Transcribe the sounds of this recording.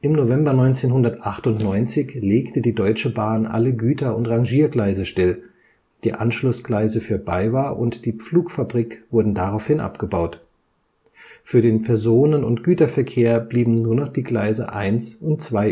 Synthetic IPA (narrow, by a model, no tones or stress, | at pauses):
ʔɪmnovɛmbɐnɔʏnt͡seːnɦʊndɐtʔaχtʊntnɔʏnt͡sɪçleːktədiːdɔʏt͡ʃəbaːnʔa̰ləɡyːtɐʊntʁaŋʒiːɐɡlaɪzəʃtɪl | d̥iːʔanʃlʊsɡ̥laɪzəfyːɐbaɪvaːɐʔʊntd̥iːp͡fluːkfabʁiːkv̥ʊɐdn̩daʁaʊfhɪnʔa̰pɡ̥əbaʊt | fyːɐdeːnpʰɛɐzoːnənʊ̰ntɡ̥yːtɐfɛɐkʰeːɐb̥liːbm̩nuːɐnɔχd̥iːɡlaɪzə̰ʔa̰ɪnsʔʊntt͡sv̥aɪ